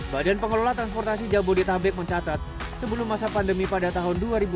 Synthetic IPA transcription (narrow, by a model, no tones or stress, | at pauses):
badaanpəŋəlolat̪ɾanspɔrt̪asid͡ʒabodit̪abɛk̚məɲt͡ʃat̪at̪̚ | səbəlʊmːasapandəmipadat̪aɦʊnduaɾibu